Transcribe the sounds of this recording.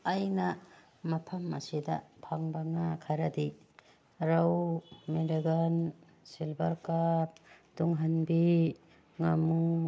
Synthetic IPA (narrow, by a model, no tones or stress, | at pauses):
ajnɐ | mɐpʰɐmːɐ̰sidɐ̰pʰaŋbaŋakʰaɾɐdi | ɾawmiliɡan | silbɐɾkap̚duŋɦanbi | ŋamu